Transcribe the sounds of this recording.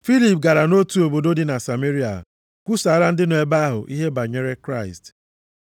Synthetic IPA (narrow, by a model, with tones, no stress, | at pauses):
fi˦li˨p̚ɡa˨ɾa˨no˦tu˨o˨bo˨do˦di˨na˨sa˨me˦ɾi˦a̰˨ | kʷu˦sa˨˦ɾa˦n̩˦dɪ˦no˨e˨˦ba˦a˦ɦʊ̰˨ʔi˦ɦe˦ba˨ɲe˦ɾe˦kɾa˦˨ɪ̰˨st